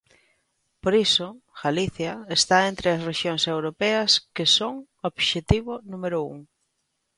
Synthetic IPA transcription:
poɾisʊɣaliθjɐest̪aent̪ɾeɐsreʃjoŋsewɾopɛɐskɪsoŋ | oβʃet̪iβʊnumeɾʊṵŋ

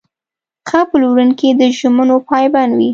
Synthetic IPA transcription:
xapəlwɾunkid̪əʒʊmənopɑjbanwi

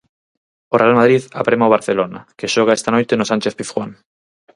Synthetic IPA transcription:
orealmað̞ɾiðapɾemaoβ̞aɾθelona̰keʃoɣ̞aest̪anojt̪enosant͡ʃeθpiθxwaŋ

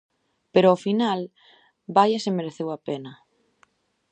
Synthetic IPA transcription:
peɾoofinal | bajasemeɾeθewapenɐ

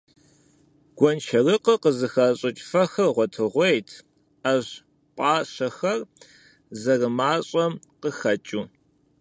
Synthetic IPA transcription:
ɡ̥ʷɔnt͡ʃʰɐrɨqəqəzɨxɐɕʼɪt͡ʃʼfɐxɐrʁʷɔtʰɨʁʷejtʰ | aʑ | pʼaːɕɐxɐr | zɐrɨmaːɕʼɐmqəxɐt͡ʃʼuː

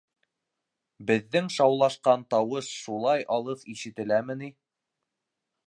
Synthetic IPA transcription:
bɘ̆ðːɘŋʃɑwlˠɑʃqɑnt̪ɑwɤʃʃulˠɑjʔɑlˠɤpiʃɘ̆t̪ɘ̆læmɘ̆ni

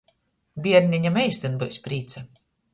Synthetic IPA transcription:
bʲiɛɾnʲiɲamɛjsʲt̪ʲinbɨwspɾiːt̪sɛ

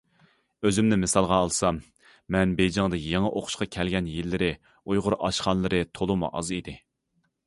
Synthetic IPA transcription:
øzymnɪmɨsɑlˠʁɑːlˠsɑmː | ɛnbejd͡ʒɑŋd̪ɨjeŋɨʔoqʰʊ̥ʃqɑkʲʰɛlɡʲɛnjilːɪɾɪ | ujʁʊɾɑʃχɑnlˠɨɾɨt̪ʰolˠɨmṵʔɑ̰zid̪ɪ

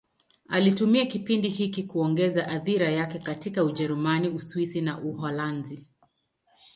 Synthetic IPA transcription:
alitumiakipindihikikuɔŋɡɛzaʔaθiɾajakɛkatikauʄɛɾumaniuswisinaʔuɦɔlanzi

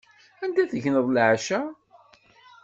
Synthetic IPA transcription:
ænd̪æθəʝnəðˤlʕaʃæ

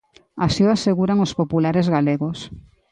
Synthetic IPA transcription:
asioaseɣuɾaŋospopulaɾezɣaleɣos

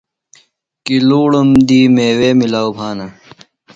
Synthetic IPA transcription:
kiluːɽumd̪iːmeːweːmilaːwbʰʱaːnɐ

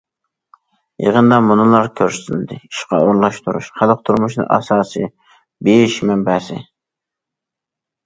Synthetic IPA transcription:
jḛʁənd̪ɑmunɨlˠɑɾkʲʰøɾsynɪd̪ɪiʃqɑ̰oɾlˠɑʃt̪ʰuɾṵʃχælˠəq̚t̪ʰuɾmuʃnɨ̰ŋʔɑ̰sɑːsɨ̰ | bejiʃmɛmbɛsɪ̰

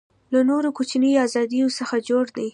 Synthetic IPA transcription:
lanoɾokot͡ʃniazɑd̪ijosəxad͡ʒoɽd̪ej

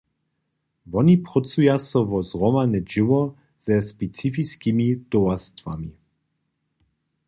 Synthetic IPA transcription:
vɔnipʁɔt͡sujasɔvɔzʁɔmanɛd͡ʒɪwɔ | z̥ɛspɛt͡sifiskimit̪ɔwast̪va̰mi

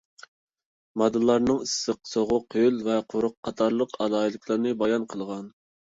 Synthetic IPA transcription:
mɑd̪ɨlˠːɑɾnɨŋisɨqsoʁʊqølvɛqʰoɾʊqʰːɑt̪ʰɑɾlˠəqʰɑlˠɑːilˠɪkʲʰlˠɑɾnɨbɑjɑnqʰəlˠʁɑn

